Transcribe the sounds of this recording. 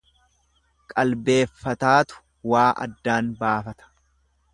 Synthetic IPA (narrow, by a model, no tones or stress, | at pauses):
kʼɐlbe̞ːfːɐt̪aːt̪ʊ̥ | waːʔɐ̰d̪ːaːnbaːfɐt̪ɐ̥